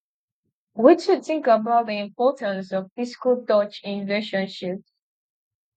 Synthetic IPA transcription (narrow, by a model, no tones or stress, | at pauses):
wit͡ʃud̚θɪ̃ŋkəbaʊt̚ðiɪ̃mpɔtə̃nsɔv̥fɪskəlˠtɔt͡ʃɪ̃nɹileʃɔ̃nʃip